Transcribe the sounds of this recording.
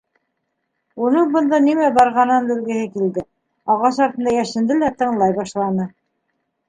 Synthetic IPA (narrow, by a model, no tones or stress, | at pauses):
unɤɴbɤ̆nd̪ɑnimæbɑɾʁɑnɤnb̪ɘ̆lɡɘ̆hɘkild̪ɘ | ɑʁɑsɑɾt̪ɤ̆nd̪ɑjæʃɘ̆nd̪ɘlæt̪ɤ̆ɴlˠɑjbɑʃlˠɑnɤ